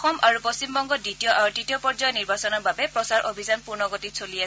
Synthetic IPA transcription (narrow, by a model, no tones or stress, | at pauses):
xɔmaɹuposimbɔŋɡɔditijɔʔaɹuditijɔpɔɹzajɔniɹbasɔnɔɹbabɛpɹɔsaɹʔobʱizanpuɹnɔɡotitsolia